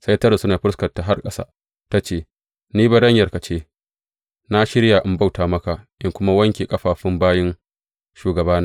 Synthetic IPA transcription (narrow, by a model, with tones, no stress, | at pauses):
sɐ˦jtɐ˦ra˨sʊ˦naː˨ɸʊ˦skɐ˨rta˨ɦa˦rkʼɐ˦sa̰ː˦ | ta˦t͡ʃeː˨ | niː˦ba˨ɽɐ˦ɲjɐ˨rka˨t͡ʃeː˦ | na˦ʃɪ˦ɽjaː˨ʔɪ˦mba˦˨wtaː˨mɐ˦ka˨ʔɪ˦ŋkʷʊ˦ma˦wɐ˦ŋkʲe˨kʼɐ˦ɸaː˨ɸɪ˦mbaː˦jɪ˦n | ʃuː˨ɡɐ˨baː˦naː˦